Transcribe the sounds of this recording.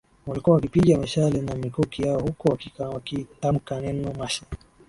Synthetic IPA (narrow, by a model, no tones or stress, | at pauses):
walikuawakipiʄamaʃalɛnamikɔkijaɔhukɔwakiwakitam̩kanɛnɔmaʃa